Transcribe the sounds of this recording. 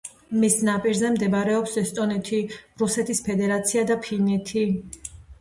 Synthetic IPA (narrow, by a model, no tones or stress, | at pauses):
misnapʼiɾzɛmd̪ɛbɾɛɔpsɛst̪ʼɔnɛt̪ʰiɾusɛt̪ʰispʰɛd̪ɛɾat̪sʰiad̪apʰinɛt̪ʰi